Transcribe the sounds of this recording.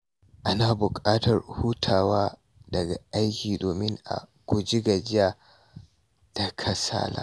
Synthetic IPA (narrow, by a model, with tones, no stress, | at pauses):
ʔa˦na˨bʊ˨kʼaː˦tʰɐ˨rhu˦tʰaː˨waː˦ | dɐ˨ɡa˨ʔa˦jkʲiː˨doː˨mɪ˦ŋʔa̰˨kʷu˨d͡ʒi˦ɡa˨d͡ʒɪ˦ja˨ | d̥a˨kʰɐ˦sa̰ː˦la̰ː˦